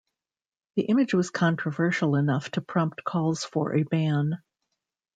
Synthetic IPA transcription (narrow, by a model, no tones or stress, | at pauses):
ðiʔɪ̃mɨd͡ʒwʌz̥kʰɑ̃nt͡ʃɹ̥əvɜ˞ʃl̩ˠənʌftʰɨpʰɹ̥ɑ̃mp̚tkʰɔlˠz̥fə̰˞ʔɨbæ̃n